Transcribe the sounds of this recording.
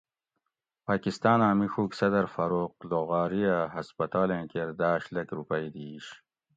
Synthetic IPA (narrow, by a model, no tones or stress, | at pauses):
paːkist̪ɑːnaːmixuːksɐd̪ɐɾfɐɾoːq̚loɣaːɾijaɦɐspɐt̪ɑːlẽːkeɾd̪aːɕlɐkɾupɐjd̪iːɕ